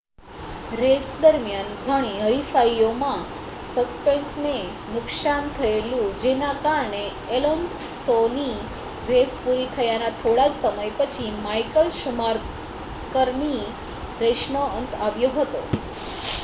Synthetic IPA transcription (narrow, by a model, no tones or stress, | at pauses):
ɾesd̪əɾmjanɡʱəɽ̃iɦəifaiomã | səspensne | nʊkʃant̪ʰəelũd͡ʒenakaɾɳe | elonsːoni | ɾespuɾit̪ʰəjanat̪ʰoɽad͡ʒsəməjpət͡ʃʰimajkəlʃumaɾ | kəɾmi | ɾeʃnoənt̪aʋjoɦət̪o